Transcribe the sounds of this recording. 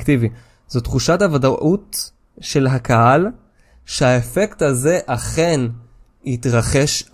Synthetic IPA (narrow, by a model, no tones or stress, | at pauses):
ktivi | z̥otχuʃathavadaʔut | ʃe̞lɦakahal | ʃehaefe̞ktaze̞ʔaχe̞n | hitʁaχe̞ʃ